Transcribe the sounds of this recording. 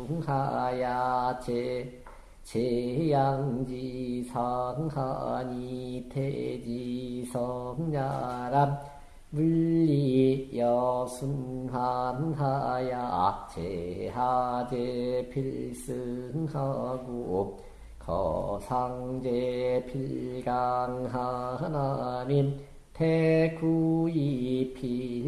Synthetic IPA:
ɯŋhajat͡ɕe | t͡ɕejaŋd͡ʑisʰaɯŋha̰ɲitʰed͡ʑisʰʌɯŋɲaɾam | bɯːijʌsʰɯnɦanɯnɦajaat͡ɕʰeɦad͡ʑepʰiɭsɯɯŋhaɡo | kʰʌ̰sʰaŋd͡ʑepʰilɡaŋɦahananim | t̪ʰekʰuipʰi

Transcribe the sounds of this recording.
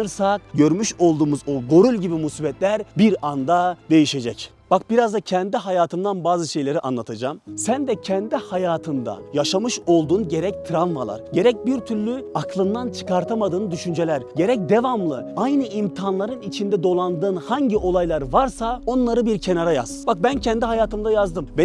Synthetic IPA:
ɯɾsak̚ɟø̞ɾmyʃo̞lˠd̪uːmuzoɡo̞ɾulʲɟibimusibɛt̪lʲæɾbiɾand̪ad̪e̞jiʃe̞d͡ʒɛc | b̥ak̚biɾazd̪acʰɛnd̪iɦajaːt̪ʰɯnd̪anbaːzɯʃe̞jlʲe̞ɾiʔa̰nlˠat̪ʰad͡ʒamsænd̪ɛcʰɛnd̪ihajaːt̪ʰɯnd̪a̰jaʃamɯʃo̞lˠd̪uːnɟe̞ɾɛc̚t̪ʰɾanva̰lˠa̰ɾɟe̞ɾɛc̚biɾt̪ʰyɾlʲyaklˠɯnd̪ant͡ʃʰɯ̥kaɾt̪ʰamad̪ɯːnd̪yʃynd͡ʒelʲæɾɟe̞ɾɛc̚d̪e̞vamlˠɯajnɯimt̪ʰanlˠaɾɯnit͡ʃʰind̪ɛd̪o̞lˠand̪ɯːnhaɲɟiʔo̞lˠajlˠaɾvaɾsao̞nlˠaɾɯbiɾcʰe̞naɾaja̰z̥bak̚bæncʰɛnd̪iɦajaːt̪ʰɯmd̪ajazd̪ɯmbe

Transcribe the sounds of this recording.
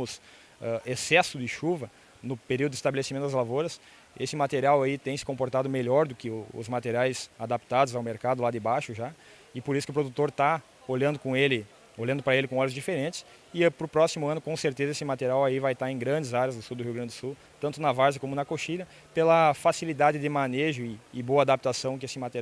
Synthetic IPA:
mʊs | ɛesɛsʊd̪ɪʃuvɐ | nʊpeɾiwd̪ʊd̪ɪst̪abelesimẽt̪ʊd̪ɐzlavoɾɐs | esɪmat̪eɾiawait̪ẽj̃sɪ̥kõmpoɾt̪ad̪ʊmeʎɔɾd̪ʊkɪʊʊ̰zmat̪eɾiajz̥ad̪ap̚t̪ad̪ʊzawmeɾkad̪ʊlad̪ɪbajʃʊʒa | ɪpoɾisʊkɪʊpɾod̪ut̪oɾt̪a | oʎɐ̃nd̪ʊkõelɪ | oʎɐ̃nd̪ʊpɾɐelɪkõɔlʊzd͡ʒifeɾẽnt͡ʃ̪ɪ̥s | ɪpɾʊpɾɔsimʊɐ̃nʊkõseɾt̪ezɐesɪmat̪eɾiawaivajt̪aɾẽɡɾɐ̃nd͡ʒ̪ɪzaɾjɐzd̪ʊsuwd̪ʊɦiwɡɾɐ̃d̪ʊɪd̪ʊsuw | t̪ɐ̃nt̪ʊnɐvaɾzɪkõmʊnɐkoʃiʎɐ | pelɐfasilid̪ad̪ɪd̪ɪmɐneʒʊɪɪboɐad̪ap̚t̪asɐ̃w̃k̬ɪesɪmat̪e

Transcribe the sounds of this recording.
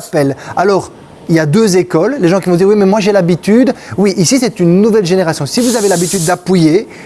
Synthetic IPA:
pɛlalɔːʁ | iljad̪øzekɔlːeʒɑ̃kʲivɔ̃d̪iwimɛmwaʒelabit̪yd̪wiʔisisɛt̪ynːuvɛlʒeneʁasjɔ̃sivuzavelabit̪yd̪ːapije

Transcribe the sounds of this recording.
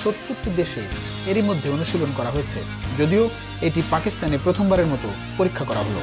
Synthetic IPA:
ʃot̪ːut̪ːid̪eʃe | eɾimod̪ʱːeonuʃilonkɔɾaɦojet͡ɕʰe | d͡ʑod̪io | eʈipakist̪anepɾot̪ʰombaɾeɾmɔt̪o | poɾikʰːakɔɾa̰ɦolo̰

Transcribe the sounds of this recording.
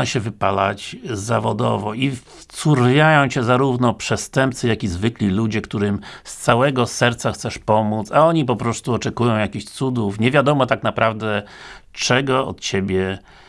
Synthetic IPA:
aɕɛvɘpala̰t͡ɕzːavɔd̪ɔvɔift̪suɾvʲjajɔ̃w̃t͡ɕɛzaɾuvnɔpʂɛst̪ɛmp̚t̪sɘjakʲizvɘklʲilud͡ʑɛkt̪uɾɘmst̪sawɛɡɔsɛɾt̪saxt̪sɛʂpɔmut̪saɔɲip̬ɔpɾɔst̪uɔt͡ʂɛkujɔ̃w̃jakʲiɕt̪sud̪ufɲɛvʲjad̪ɔmɔt̪aknapɾavd̪ɛ | t͡ʂɛɡɔɔ̰t̪t͡ɕebʲjɛ

